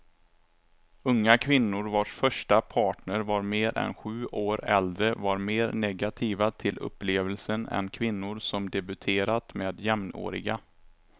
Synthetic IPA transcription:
ɵŋːakʰvɪnːʊɾvaːʂfœʂʈapʰɑːʈɳəɾvaɾmeːɾʔɛ̰nɧʉ̟ːʔoːɾɛ̰ld̪ɾəvaɾmeːɾnɛɡat̪ʰiːvat̪ʰɪlʔɵ̰pːleːvəlsənɛ̰nkʰvɪnːʊɾsɔmd̪ɛbɵt̪ʰeːɾat̪meːd̪jɛmno̰ːɾɪ̰ɡa

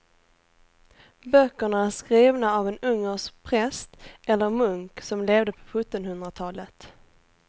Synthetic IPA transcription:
bœkːəɳaæʂkɾiːvnaaːvɛnɵŋːəʂpʰɾɛst̪ʔɛlːəɾmɵŋksɔmleːvd̪əpʰɔ̥ɧɵt̪ːɔnhɵnd̪ɾat̪ʰɑːlət̪

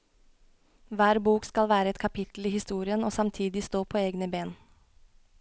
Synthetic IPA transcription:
ʋæːɾbuːkskɑlʋæːɾəɛt̪̚kʰɑpʰɪt̪l̩iːhɪst̪uːɾɪənoːsɑmt̪ʰiːd̪ɪst̪oːpʰoːeːɡnəbeːn

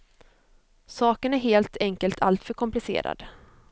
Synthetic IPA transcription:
sɑːkənæɾɦeːlt̪ʰɛŋkəlt̪ʰalt̪fœɾkʰɔmplɪsḛːɾa̰d̪

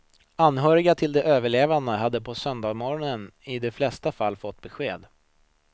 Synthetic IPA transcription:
anːɦœːɾɪɡat̪ʰɪld̪ɛʔøːvəɭeːvand̪əɦad̪ːəpʰɔsœnd̪ɑːɡmɔɾɔnənɪd̪ɛflɛst̪afalːfɔt̪ːbɛɧeːd̪

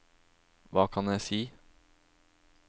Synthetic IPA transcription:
ʋɑːkʰɑnjæɪsiː

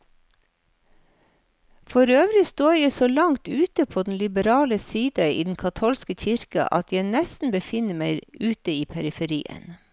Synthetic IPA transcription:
fɔɾøːʋɾɪst̪oːjæɪsoːlɑŋt̪ʉːt̪əpʰoːd̪n̩lɪbəɾɑːləsiːd̪əḭːd̪n̩kʰɑt̪ʰoːlskəçɪɾkɑ̰ʔɑ̰t̪jæɪnɛst̪n̩bəfɪnəmæɪʉːt̪əiːpʰæɾɪfəɾḭːə̰n

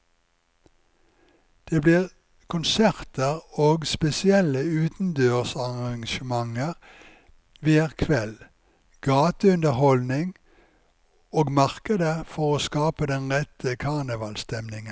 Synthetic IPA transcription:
d̪̥eːbliːʁ | kʰʊnsæʁt̪əʁoːɡspɛsɪɛləʉːt̪n̩d̪øːʁsɑʁɑŋʃəmɑŋəʁ | ʋiːəʁkʰʋɛl | ɡ̥ɑːt̪əʉnd̪əʁhɔlnɪŋ | oːɡmɑʁkəd̪əfɔʁoːskɑːpəd̪ɛnʁɛt̪ʰəkʰɑnəʋɑːlst̪ɛmnɪŋə

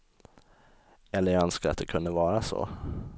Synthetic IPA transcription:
ɛlːəjaœnskaɾat̪̚d̪ɛkʰɵnd̪əvɑːɾasɔ̰

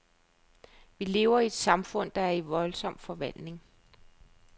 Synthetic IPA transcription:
ʋile̝ːʊɐied̥sɑ̈mfɔ̽n̰d̥ɑ̈æɐiʋɒ̽lsɒ̽m̰fɒ̽ʋæl̰d̥ne̝ŋ

